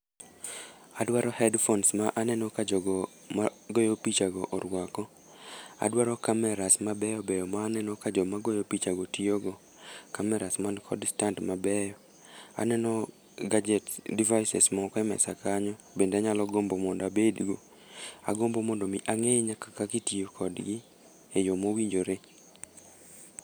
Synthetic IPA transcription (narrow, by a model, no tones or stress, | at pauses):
adwaɾɔhɛdfɔnsmaʔanɛnɔkad͡ʒɔɡɔ | maɡɔjɔpit͡ʃaɡɔʔɔɾwakɔ | a̰dwaɾɔkamɛɾasmabɛjɔbɛjɔmaːnɛnɔkad͡ʒɔmaɡɔjɔpit͡ʃaɡɔtioɡɔ | kamɛɾasmankʰɔdstantmabɛjɔ | a̰nɛnɔ | ɡad͡ʒɛtdivajsɛsmɔkɔɛmɛ̰sa̰kaɲɔ | bendeaɲalɔɡombomɔndabedɡo | a̰ɡombomɔndɔmiʔaŋeɲakakakitijokʰɔdɡɪ | ejomowiɲd͡ʒoɾe